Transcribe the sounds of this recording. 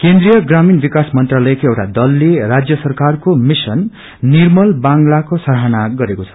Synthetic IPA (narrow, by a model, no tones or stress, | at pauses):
kend̪ɾijʌɡraminbikasmʌnt̪ralʌjekoewʈa̰d̪ʌlːerad͡zjʌsʌrkarkomisʌnː | irmʌlbaŋɡlakosʌɾɦanaɡʌɾekot͡sʰʌ̥